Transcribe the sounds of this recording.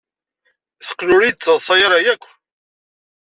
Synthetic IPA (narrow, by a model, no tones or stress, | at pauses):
θə̥qːlʊɾid̪̚t͡sːəðsˤɑjɾˤɑjækʷː